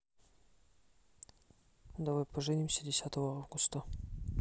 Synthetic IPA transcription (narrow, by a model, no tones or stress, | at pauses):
d̪avajpɐʐɨnʲimsʲədʲɪsʲat̪əvəavɡʊst̪ə